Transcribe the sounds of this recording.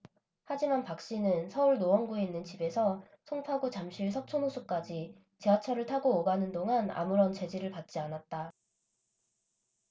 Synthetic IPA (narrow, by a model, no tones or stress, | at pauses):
had͡ʑimanpak̚ɕ͈inɯnsʰʌuɭnoʌnɡoinːɯnt͡ɕibe̞sʰʌ | sʰoŋpʰaɡot͡ɕamɕʰiɭsʰʌk̚t͡ɕʰonosʰuk͈ad͡ʑi | t͡ɕeat͡ɕʰʌɾɯɭtʰaɡoːɡanɯndoŋana̰muɾʌnt͡ɕe̞d͡ʑiɾɯɭpat̚t͡ɕ͈ianat̚t͈a